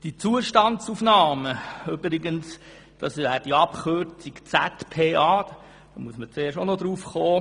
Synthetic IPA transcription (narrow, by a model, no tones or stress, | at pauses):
d̥it͡suəʃtɑntsufnɑːməybɾiɡəns | d̥ɑsæːd̥iɑpχørt͡sikt͡sætpʰeːʔɑ̥ː | d̥ɑmuəsmət͡seːɾʃonɔd̪ɾuːfχoː